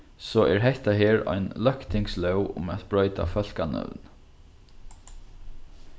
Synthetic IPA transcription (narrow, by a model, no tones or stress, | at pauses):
sɔʔɛɹɦɛht̪aɦeːɹɔ̰jnlœhkt̪ʰɪŋkslœwʊ̰mɛt̪bɹɔʏt̪a̰fœl̥kanœ̰wn